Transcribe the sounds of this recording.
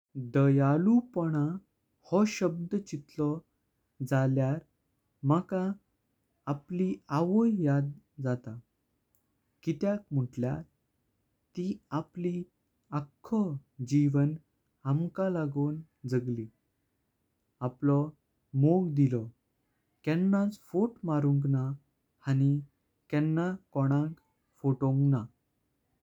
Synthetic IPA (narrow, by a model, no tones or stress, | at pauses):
d̪əjalupɔɽ̃a | hɔɕəb̚d̪ət͡ɕit̪lɔ | d͡zaljaɾ | makaː | pliaʋəjjad̪ | d͡zat̪a | kit̪jak̚m̤əʈljaɾ | t̪iapli | akʰːɔd͡ʑiʋən | amkalaɡoːn | d͡zəɡli | aplɔ | moɡd̪ilɔ | kɛ̃nːat͡sfoʈmaɾuŋkna | hañi | kɛnːakɔɽ̃ãŋk | foʈõŋkna